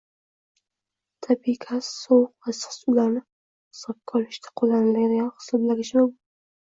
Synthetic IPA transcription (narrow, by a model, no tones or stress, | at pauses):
t̪ʰabikʲʰasowqvasɒ̥sʊlaɾnɪ | hɪsɒb̚kʰɒlɪʃt̪ʰḁqʰolanɪlaɡʲɪd̪ajahɪ̥sɒblaɡʲɪʃmam